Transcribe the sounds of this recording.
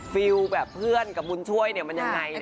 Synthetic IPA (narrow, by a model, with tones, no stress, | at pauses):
fi˧wbɛː˨˩pʰːɯ˥˩ənka˨˩p̚bu˧nt͡ɕʰu˥˩əjni˥˩ɐma˧nja˧ŋŋːa˧jn